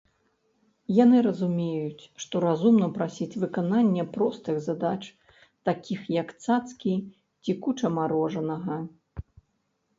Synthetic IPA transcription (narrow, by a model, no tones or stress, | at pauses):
janɨɾɐzumʲejut͡sʲʂt̪ɔɾazumnɐpɾasʲit͡sʲvɨkananʲːɛpɾɔst̪ɨɣzad̪at͡ʂ | t̪akʲixjɐkt̪sat̪skʲi | t͡sʲikut͡ʂɐmaɾɔʐɐnɐɣɐ